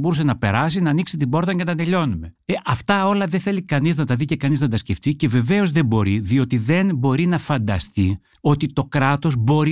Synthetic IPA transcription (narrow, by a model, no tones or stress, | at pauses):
bo̞ɾusenɐpe̞̰ɾɐs̬inɐːniksit̪ibo̞ɾt̪ɐcet̪ɐnd̪eʎo̞nume̞eʔɐft̪ɐo̞lɐðeθe̞likɐniznɐt̪ɐðice̞kɐniznɐt̪ɐsce̞ft̪ice̞ve̞ve̞o̞zðembo̞ɾiðio̞t̪iðe̞nbo̞ɾinɐfɐnd̪ɐst̪i | o̞t̪it̪o̞kɾɐt̪o̞zbo̞ɾi